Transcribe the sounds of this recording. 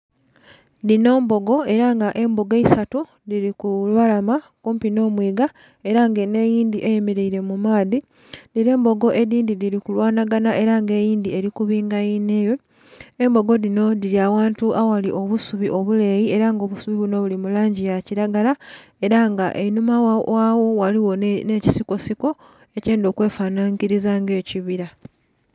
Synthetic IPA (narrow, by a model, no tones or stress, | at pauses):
ðino̞ːmbo̞ɡo̞e̞ɾaŋɡaʔe̞mbo̞ɡeisatu | ðiɾikulwalama | kuːmpino̞ːmwiːɡa | e̞ɾaŋɡene̞ːjiːnd̪iʔejemeɾeiɾe̞mumaːði | ðiɾe̞ːmbo̞ɡo̞ʔe̞ðiːndiðiɾikulwaːnaɡanaʔe̞ɾaŋɡe̞ːjiːnd̪ie̞ɾikuβiːŋɡajine̞ːjo̞ | embo̞ɡo̞ðino̞ðiɾiawaːntuʔawaliʔo̞βusuβiʔo̞βule̞jie̞ɾaŋɡo̞ːβusuβiβuno̞βulimulaːɲɟijaciɾaɡala | e̞ɾaŋɡaʔenumawawo̞waliwo̞neci̥siko̞siko̞ | e̞ceːndo̞ːkwe̞ːfanaːŋkiɾizaːŋɡe̞ːciβiɾa